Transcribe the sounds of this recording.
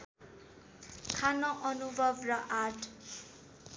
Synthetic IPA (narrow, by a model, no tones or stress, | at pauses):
kʰanʌʔʌnubʱʌbrʌʔarʈʰ